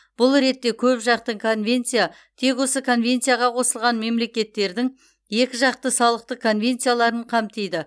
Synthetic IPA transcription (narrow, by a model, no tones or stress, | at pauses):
b̥ʊlˠɾe̞t̪ːe̞kʲʰɵpʒɑqt̪əɴkʰo̞nvʲe̞nt̪sija | t̪ʰe̞kwo̞səkʰo̞nvʲe̞nt̪sijaʁɑqʰo̞səlˠʁɑnme̞mle̞kʲe̞t̪ːe̞ɾd̪ɪŋ | je̞kʲɪʒɑqt̪əsɑlˠəq̚t̪əkʰo̞nvʲe̞nt̪sijalˠɑɾəɴqʰɑmt̪ejd̪ɪ